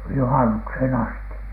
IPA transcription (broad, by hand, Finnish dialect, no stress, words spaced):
juhɑnukshen ɑsti